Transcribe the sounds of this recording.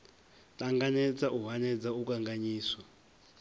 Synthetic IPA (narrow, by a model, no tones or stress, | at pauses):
tʼaŋɡanɛd͡zaʔuɦanɛd͡zauk̬ʼaŋɡaɲiːswa